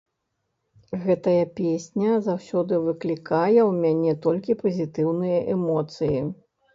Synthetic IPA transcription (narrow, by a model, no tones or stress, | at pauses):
ɣɛt̪ɐjɐpʲesʲnʲɐzawsʲɔd̪ɨvɨklʲikajɛwmʲanʲɛt̪ɔlʲkʲipɐzʲit̪ɨwnɨjɐʔɛmɔt̪sɨji